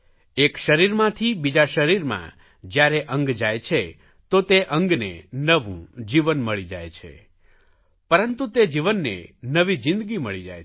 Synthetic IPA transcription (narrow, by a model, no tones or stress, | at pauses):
ekʃəɾiɾmãt̪ʰibid͡ʒaʃəɾiɾmã̰ | d͡ʒjaɾeʔə̃ŋɡd͡ʒajt͡ʃʰe | t̪ot̪eʔə̃ŋɡnḛnəʋṵ̃d͡ʒiʋənməɭid͡ʒa̰jt͡ʃʰḛ | pəɾənt̪ut̪ed͡ʒiʋənːḛnəʋid͡ʒɪ̃nd̪ɡiməɭid͡ʒa̰j